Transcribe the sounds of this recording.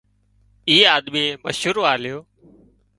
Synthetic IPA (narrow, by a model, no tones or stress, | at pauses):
iːaːd̪miːməʃʊɾoːaːlɪjoː